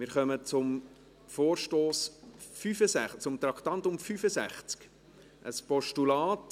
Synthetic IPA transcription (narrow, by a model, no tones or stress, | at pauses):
mɪːɾχœmət͡sʊm | foːɾʃtoːsfyfəsæχt͡sʊmt̪ɾɑkt̪ɑnt̪ʊmfyfəsæ̰χt͡sk | ʔə̰spɔʃtulɑːt